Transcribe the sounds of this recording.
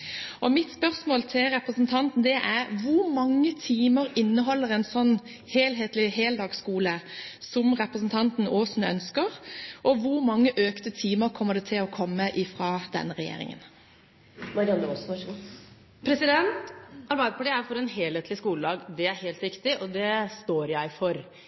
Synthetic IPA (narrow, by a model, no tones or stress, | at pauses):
ʔɔmɪt̪spœɾsmoːlt̪ʰɪlɾɛpɾəsn̩t̪ʰɑnt̪n̩d̪ɛʔæɾʋʊɾmɑŋːət̪ʰiːməɾɪnːəɦɔlːəɾɛnsɔnː | heːlɦeːt̪lɪɦeːld̪ɑːɡskuːləsɔmɾɛpɾəsn̩t̪ʰɑnt̪n̩oːsn̩œnskəɾʔɔʋʊɾmɑŋːəʔøːkt̪ət̪ʰiːməɾkʰɔmːəɖɛt̪ʰɪlɔkʰɔmːəʔɪfɾɑːd̪ɛ̰nːəɾɛjḛːɾɪ̰ŋə̰n | mɑɾɪɑnəɔsɑ | pʰɾɛsɪd̪ɛnt̪ʔɑlbɑɪd̪əpʰɑʈiːæfɔɾɛnɦeːleːt̪lɪskuːləd̪ɑːɡd̪ɛæɾheːlt̪ʋɪkt̪ɪʔɔd̪ɛst̪oːɾjæɪfɔɾ